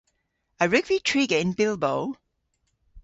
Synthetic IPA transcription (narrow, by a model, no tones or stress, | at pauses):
əɹʉɡvitʰɹ̥iːɡəɪ̃nbɪlˠboʊl